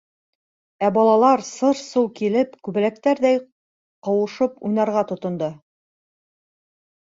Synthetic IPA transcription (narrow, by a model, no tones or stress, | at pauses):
æbɒlˠɑlˠɑɾsɤɾsulˠkilɘpkʉβɘ̆læk̚t̪æɾðæj | qɤ̆wɤ̆ʃɤpujnɑɾʁɑt̪ŏt̪ŏnd̪ɤ